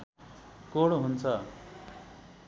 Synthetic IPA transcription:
koɽɦunt͡sʰʌ

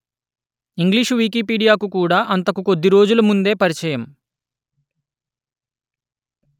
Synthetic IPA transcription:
iŋɡliːʂʋiːkiːpiːɽijaːkukuːɽaːʔɐnt̪ɐkuko̞d̪ːiɾo̞ːd͡ʒulumund̪e̞ːpɐɾit͡ʃɐjɐm

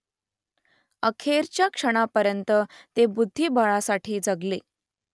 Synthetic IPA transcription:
əkʰeɾt͡ɕjakʂəɽ̃apəɾjənt̪ət̪ebud̪ʱːiːbəɭasaʈʰiːd͡zəɡle

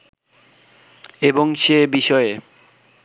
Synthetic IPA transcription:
eboŋʃebiʃɔe

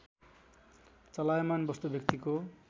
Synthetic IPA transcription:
t͡sʌlajmanbʌst̪ubʱjʌkt̪iko

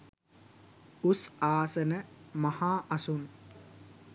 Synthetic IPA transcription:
usaːsənəmɐhaːʔɐsun

